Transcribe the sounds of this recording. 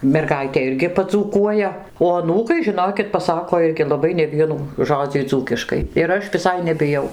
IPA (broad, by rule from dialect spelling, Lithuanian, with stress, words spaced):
mʲɛrˈɡɐɪtʲeː ˈɪrʲɡʲɪ pɐd͡zuːˈkuɔjɛ oː ɐˈnuːkɐɪ ʒʲɪˈnoːkʲɪt pɐˈsɑːkoː ˈɪrʲɡʲɪ lˠɐˈbɐɪ nʲɛˈʋʲiɛnuː ˈʒoːd͡zʲiː ˈd͡zuːkʲɪʃkɐɪ ɪr ˈɐʃ ʋʲɪˈsɐɪ nʲɛbʲɪˈjɛʊ